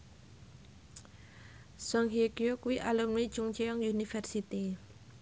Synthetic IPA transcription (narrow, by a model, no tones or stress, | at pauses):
sɔŋɦiokiokuwiʔalumnid̥d͡ʒ̥uŋt͡ʃeɔŋjunifɛrsit̪i